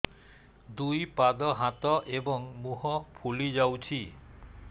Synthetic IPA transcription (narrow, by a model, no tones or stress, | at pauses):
d̪ujpad̪ɔɦat̪ɔʔebɔŋmuɦɔpʰulid͡ʒawt͡ʃʰi